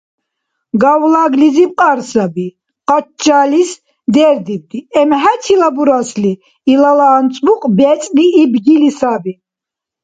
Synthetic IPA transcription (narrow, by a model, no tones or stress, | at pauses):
ɡawlaɡlizip̚ʼqʼaɾsabi | qʼat͡ʃːalis | d̪ɛɾd̪ib̚d̪iɛmɦæt̪ʰilabuɾasliː | lalaːnt͡sʼvuqʼbɛt͡sʼliːbɡilisabi